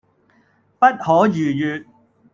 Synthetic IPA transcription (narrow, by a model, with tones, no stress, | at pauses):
pɐ˥t̚hɔː˨˥jyː˨˩jyː˨t̚